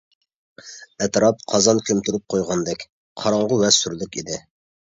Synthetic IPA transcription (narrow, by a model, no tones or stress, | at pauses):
ɛt̪ɾɑp̚qʰɑzɑnkʲʰømt̪yɾyp̚qʰojʁɑnd̪ɛkʲ | qʰɑɾɑɴʁʊwɛsyɾlɪkʲid̪ɪ